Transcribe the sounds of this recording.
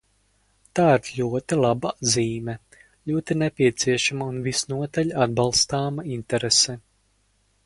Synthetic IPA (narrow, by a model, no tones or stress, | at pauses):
t̪aːiɾʎʲuɔt̪ilˠabaziːmɛ | ʎʲuɔt̪inɛpʲiɛt̪siɛʃamaunvisnuɔt̪aʎʲad̪̚bɑlˠst̪aːmaint̪ɛɾesɛ